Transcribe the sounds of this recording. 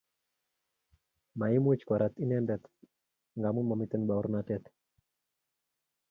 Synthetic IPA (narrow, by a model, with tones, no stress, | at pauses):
ma˨i˦mut͡ʃkɔ˨ɾa˨t̪i˦nɛ˦ndɛt̪ | ŋɡa˨mu˦mɔ˨mit̪ɛ˦nba˨u˦ɾnatɛt̪